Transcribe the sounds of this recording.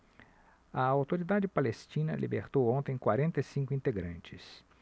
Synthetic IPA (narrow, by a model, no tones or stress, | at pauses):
ɐawt̪oɾid̪ad͡ʒɪpalest͡ʃĩnɐlʔḭbeɾt̪owõnt̪ẽj̃kwaɾẽnt̪ɐsĩŋkʊĩnt̪eɡɾɐ̰̃nt͡ʃɪ̥s